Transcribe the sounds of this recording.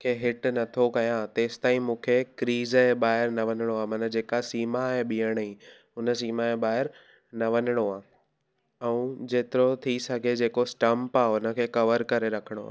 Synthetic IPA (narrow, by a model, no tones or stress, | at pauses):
kʰeɦɪʈnɐt̪ʰokɐjãt̪eːsɪ̥t̪aːĩmũːkʰekɾiːzeɓaːɦɪɾnɐʋɐnɪɽ̃oaːmɐnəd͡ʑeːkasiːmaɦeɓiːəɽ̃ĩ | ʊnə̆siːmaeɓaːɦɪɾ | nɐʋɐnɪɽ̃oaː | ɛ̃ũd͡ʑeːt̪ɪɾot̪ʰisɐɡʱed͡ʑeːkosʈɐ̃mpaːʊnə̆kʰeːkɐʋəɾkɐɾeɾɐkʰəɽ̃o̰a̰ː